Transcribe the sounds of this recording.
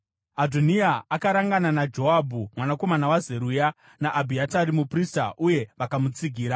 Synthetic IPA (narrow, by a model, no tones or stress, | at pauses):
adʱoniaakaɾaŋɡananad͡ʒo̞abʱumwanako̞manawaze̞ɾuja | naʔːbʱiataɾimuprista̰ʔuje̞ʋakamut͡siɡʱiːɾa